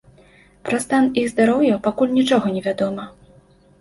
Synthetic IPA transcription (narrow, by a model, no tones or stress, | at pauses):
pɾɐst̪aniɣzd̪aɾɔwjɐpakulʲnʲit͡ʂɔɣɐnʲɛvʲad̪ɔmɐ